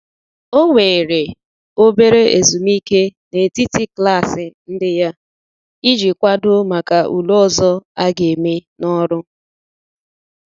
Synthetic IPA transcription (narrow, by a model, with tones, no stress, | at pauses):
o˦ŋʷe˨ɾe˨ | o˦be˦ɾe˦ʔe˨zu˨mi˦ke˦ne˨ti˦ti˦kla˦˨sɪ˨n̩˦dɪ˦ja˦ | i˦d͡ʒi˨kʷa˦dʊ˦ma˨ka˨ʔṵ˨lɔ˦˨zɔ˦a˦ɡe˨me˦nɔ˦ɾʊ˦